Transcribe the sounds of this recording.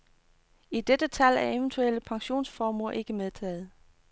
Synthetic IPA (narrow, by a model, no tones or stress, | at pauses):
id̥ed̥ət͡sʰæl̰æɐe̝ʋənt͡sʰueləpʰɑ̈ŋɕo̝̰ːnsfɒːmoɐʔe̝ɡ̥əmeðˠt͡sʰɛ̰ːð̞̩ˠ